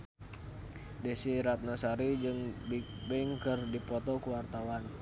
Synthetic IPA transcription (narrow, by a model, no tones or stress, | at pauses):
desiɾat̪̚nasaɾid͡ʒɨŋb | bɛŋkərdipɔt̪ɔkuwart̪awan